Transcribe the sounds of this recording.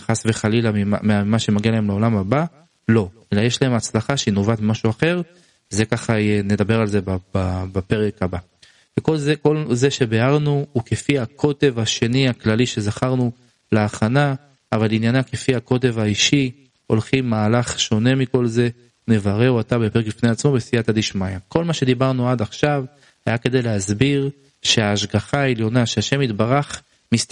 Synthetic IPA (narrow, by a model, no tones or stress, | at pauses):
χasveχalilamimameamaʃe̞maɡialaemleo̞lamaba | lo̞e̞lajeʃlahe̞mat͡slaχaʃeinovat̪mmaʃuaχe̞ʁ | zekaχaene̞d̪abe̞ʁalze̞bababape̞ʁe̞khaba | veko̞lzeko̞lze̞ʃe̞beaʁnuuke̞fihakʰo̞t̪e̞vaʃe̞niaklaliʃe̞zaχaʁnu | leaχanaː | valinjanake̞fiako̞t̪̬e̞vaiʃi | o̞lχimːaːlaχʃo̞ne̞miko̞lze̞ | ne̞vaʁe̞uat̪abepe̞ʁekbifne̞at͡smo̞besijat̪ad̪iʃmajako̞lmaʃe̞d̪ibaʁnuad̪aχʃav | hajake̞d̪ejleɦazbiʁ | ʃe̞aːʃɡaχaeljo̞naʃeaʃe̞mit̪baʁaχ | mist